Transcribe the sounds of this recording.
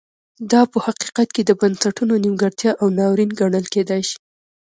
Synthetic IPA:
d̪ɑpəhaqi̥qat̪̚ked̪əbansaʈunonimɡəɽt̪jɑʔawnɑwɾinɡaɳəlked̪ajʃi̥

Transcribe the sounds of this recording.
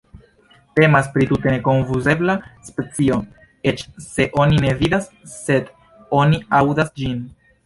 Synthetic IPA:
te̞maspɾitute̞neko̞ɱfuze̞blaspe̞t͡sio̞ | e̞t͡ʃse̞ʔo̞nine̞vidasːe̞d | o̞niawdasd͡ʒin

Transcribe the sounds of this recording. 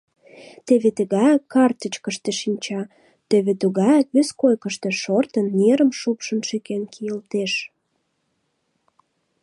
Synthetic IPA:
t̪eβet̪eɣɑjkɑrt̪ə̆t͡ɕkə̆ʃt̪eʃinʲt͡ɕɑ | t̪eβet̪uɣɑjɑkβeskojkəʃt̪ĕʃort̪ənːeɾə̆mʃupʃə̆nʃekenkʰijəlt̪eʃ

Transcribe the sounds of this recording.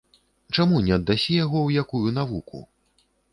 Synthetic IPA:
t͡ʂamunʲɛɐd̪ːasʲɛjaɣɔwjakujun̪avukṵ

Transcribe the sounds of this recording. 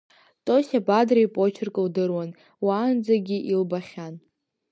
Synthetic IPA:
tʼosʲabadrajpʼot͡ʃʰɪrkʼɨldɨrwan | waːnd͡zaɡʲiʔilbaχʲan

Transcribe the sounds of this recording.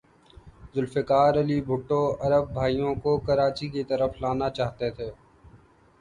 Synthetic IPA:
zʊlfɪkaːɾɐlibʱʊʈːoɐɾəb̚ːʱaːijõkokɐɾaːt͡ʃikit̪ɐɾəflaːnat͡ʃaːɦt̪et̪ʰeː

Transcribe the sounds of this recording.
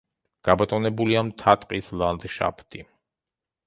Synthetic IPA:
ɡ̥abat̪ʼɔnɛbuliamt̪ʰat̪ʼqʼislˠand̪ʃa̰pʰt̪ʰʼi

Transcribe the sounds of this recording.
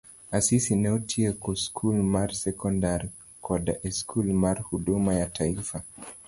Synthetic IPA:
asisinɛɔtʰiɛkɔskʰulmaɾsɛkɔndaɾ | kʰɔɗa̰ʔɛskʰulmaɾhuɗumajatʰaifa

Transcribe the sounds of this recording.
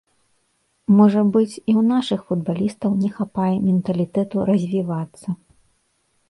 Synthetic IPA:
mɔʐɐbɨt͡sʲiwnaʂɨxfud̪̚balʲist̪ɐwnʲɛxapajɛmʲɛnt̪ɐlʲit̪ɛt̪uɾɐzʲvʲivat̪sːɐ

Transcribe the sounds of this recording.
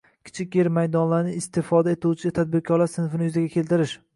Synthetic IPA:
kʲʰɪ̥t͡ʃʰɪkʲjeɾmajd̪ɒnlaɾnɪɪst̪ɪfɒd̪aet̪ʰuwt͡ʃʰɪt̪ʰad̪̚bɪɾkʲʰɒɾlaɾsɪnfɪnɪjʊzaɡʲakʲʰe̞lt̪ɪɾɪʃ

